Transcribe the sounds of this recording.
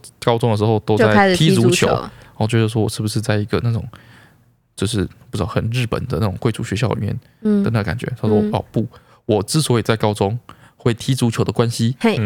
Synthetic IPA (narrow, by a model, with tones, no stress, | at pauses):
kɑ˥ʊt͡sʊ˥ŋd̪ə˩ʂ̬̩˧˥xo˥˧ʊt̪o˥ʊo˥˧a˥˩ɪ˥t̪ʰi˥t͡su˧˥t͡ɕʰjo̰˨˦ʊ˨˩t͡ɕo˧t͡ɕo˥˧ʂwɔ˥wɔ˨˩ʂɻ̩˥˩bu˩ʂɻ̩˥˧t͡sa˥ɪi˧˥ɡə˧na˥˩ʈ͡ʂʊ̰˨˩ŋ | t͡ɕjo˥˧ʊʂ̬ɻ̩˥˩pu̥˥˩ɻ̩˥ɑ˥˩xə˨˩nɻɻ̩˥˩pə̰˨˩nd̪ə˦na˥˩ʊ˨˩ŋkwe˥˧ɪʈ͡ʂʰṵ˥˩ɕɥɛ˧˥ɕjɑ˥˩ʊli˨˩mjɛ̰˥˩n | d̪ə˨˩na˥˩ɡə˩ka˨˩nt͡ɕɥɛ̰˧˥t̪ʰa˥ʂwɔ˥ɔ˥˩pu˥˩ | wɔ˨˩t͡sɻ̩˥˩swɔ˧˥i˨˩t͡sa˥˩ɪkɑ˥ʊt͡sʊ˥ŋ | xwe˥˩ɪt̪ʰi˥t͡su˧˥t͡ɕʰjo˨˩ʊd̪ə˩kwa˦nɕi˦˥˩